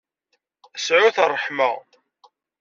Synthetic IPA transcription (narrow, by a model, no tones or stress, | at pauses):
əsʕʊθərˤːəħma